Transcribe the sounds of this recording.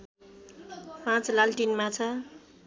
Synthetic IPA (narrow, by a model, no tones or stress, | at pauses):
pãt͡slalʈinmat͡sʰʌ